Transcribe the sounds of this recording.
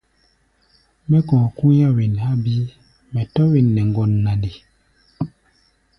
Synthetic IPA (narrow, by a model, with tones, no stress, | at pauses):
mɛ˦kɔ̃ː˨kũ˦ja˦wi˨nha˦bi˦ | mɛ˨tɔ˦wi˨nːɛ˨ŋɡɔ˨nːa˨di˨